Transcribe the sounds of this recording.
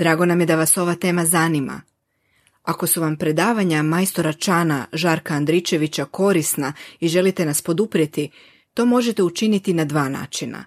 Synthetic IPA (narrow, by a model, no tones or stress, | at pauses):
d̪ɾaːɡo̞namje̞d̪aʋaso̞ʋat̪e̞ːmazanima̰ | ako̞suʋampɾe̞d̪aːʋaɲamajst̪o̞ɾat͡ʃaːna̰ʒaɾkaːnd̪ɾit͡ʃe̞ʋit͡ɕako̞ɾisnaiʒe̞lit̪e̞naspo̞d̪upɾjet̪i | t̪o̞ːmo̞ʒe̞t̪e̞ut͡ʃinit̪inad̪ʋaːna̰ːt͡ʃina̰